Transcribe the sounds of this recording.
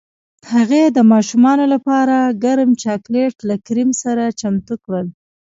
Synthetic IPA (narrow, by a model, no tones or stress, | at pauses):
haɣed̪əmɑʃumɑnolapɑɾaɡaɾmt͡ʃɑkleʈlakɾimsaɾat͡ʃamt̪ukɽəl